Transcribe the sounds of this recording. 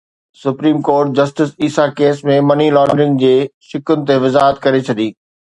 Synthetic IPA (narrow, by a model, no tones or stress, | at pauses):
sʊpɾiːmkoːɾʈ̚d͡ʑɐsʈɪsiːsakeːsmẽmɐnilɔ̃ːɳɖɾɪ̃ŋɡd͡ʑeːʃɪkʊnɪ̆t̪eʋɪzaːɦət̪̚kɐɾet͡ɕʰɐd̪iː